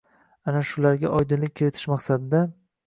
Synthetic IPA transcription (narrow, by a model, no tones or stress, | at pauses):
anaʃʊlaɾɡʲaʔɒjd̪ɪnlɪk̚ʲkʰʲːeɾɪt̪ʰɪʃmaqsad̪ɪd̪a